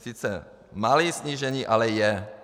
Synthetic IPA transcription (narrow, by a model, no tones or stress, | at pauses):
sit͡sɛ̰ | maliːsɲiːʒɛɲiːʔalɛjɛ